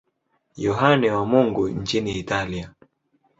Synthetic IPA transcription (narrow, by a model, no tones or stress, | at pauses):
jɔɦanɛwamuŋɡuɲ̩t͡ʃiniːtalia